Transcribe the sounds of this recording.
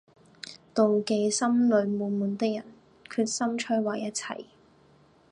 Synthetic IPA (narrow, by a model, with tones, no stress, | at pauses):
t̪o˨wke˨˧jsɐ˥mlɵ˨˧ɥmuː˨˧muː˨˧nt̪ɪ˥k̚jɐ˨˩n | kʰyː˧t̚sɐ˥mt͡ʃʰɵ˥waː˨˧jːɐ˥t̚t͡sʰɐ̰˨˩j